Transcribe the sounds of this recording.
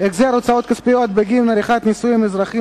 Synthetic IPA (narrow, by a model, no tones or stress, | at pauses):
ekzeaɾot͡sao̞t̪kaspijo̞t̪̚beɡilnaɾiχat̪nisujimezɾaχi